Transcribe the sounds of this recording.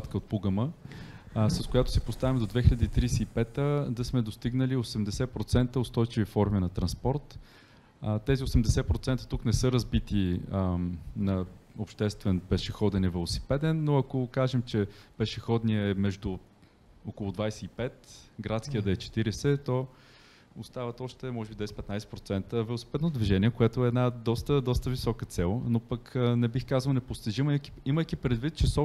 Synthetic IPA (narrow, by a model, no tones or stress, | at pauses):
t̪kəot̪̚puɡəmə | sɐskojat̪ʊ̥sɛpost̪avimd̪od̪vɛxiʎɐəd̪iːt̪ɾijsɛipɛt̪əd̪ɐsmɛd̪ost̪iɡnəliosɛmd̪ɛsɛpɾot̪sɛnt̪əot̪st̪ɔjt͡ʃivifɔɾminɐt̪ɾɐnspɔɾt̪ | t̪ɛziosɛmd̪ɛsɛpɾot̪sɛnt̪ə̥t̪uknɛsɤɾɐzbit̪i | nɐopʃt̪ɛst̪vɛnpɛʃɛxɔd̪ɛnɛvɛlˠosi̥pɛd̪ɛnːoɐkokaʒɛmt͡ʃɛpɛʃɛxɔd̪niɛɛmɛʒd̪u | okolˠʊd̪vajsɛipɛt̪ɡɾat̪sk̟ijəd̪ɛt͡ʃɛ̥t̪iɾɛsɛt̪ɔ | ost̪avət̪ɔʃt̪ɛmɔʒɛbid̪vɛsɛ̥pɛt̪najsɛ̥pɾot̪sɛnt̪əvɛlˠosi̥pɛd̪nod̪viʒɛniɛkoɛt̪oɛɛd̪nad̪ɔst̪əd̪ɔst̪əvisɔkət̪sɛlˠnopəknɛbixkazəlˠnɛpʊst̪iʒiməkiiməjkipɾɛd̪vit̪̚t͡ʃɛsɔ